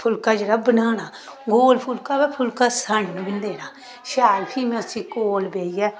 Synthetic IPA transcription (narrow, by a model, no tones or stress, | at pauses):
pʰʊlkaːd͡ʒeːɽaːbənaːñaː | ɡoːlpʰʊlkaːbɛːpʰʊlkaːsəɳnbɪnd̪eːɾaː | ʃaːlpʰiːmɛ̃əsĩːkoːlbeːiːɛː